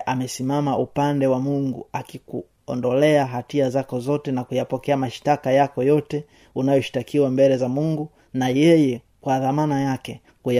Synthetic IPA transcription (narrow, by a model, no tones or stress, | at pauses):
ʔamɛsimamaʔupandɛwamuŋɡṵakiku | ɔ̰ndɔlɛaɦatiazakɔzɔtɛnakujapɔkɛamaʃi̥takajakɔjɔtɛ | unajɔʃi̥takiwambɛlɛzamuŋɡu | najɛjɛ | kwaðamanajakɛ | kuja